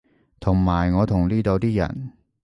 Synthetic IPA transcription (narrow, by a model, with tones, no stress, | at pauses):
t̪ʰʊ˨˩ŋmaː˨˩jŋɔː˨˧t̪ʰʊ˨˩ŋliː˥t̪o˧wt̪iː˥jɐ̰˨˩n